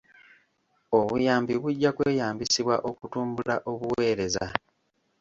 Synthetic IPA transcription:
o̞βujaːmbiβuɟːakweːjaːmbisiβwa̰ʔo̞kutuːmbulaʔo̞βuwe̞ːɾe̞za̰

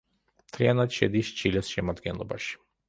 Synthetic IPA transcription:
mt̪ʰɾianat̪ʃɛd̪iʃt͡ʃʰilɛsʃɛmad̪ɡɛnlˠɔbaʃi̥

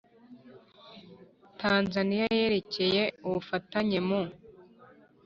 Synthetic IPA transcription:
tʰaːnzanijaje̞ːɾe̞ce̞je̞uβufataɲe̞mo

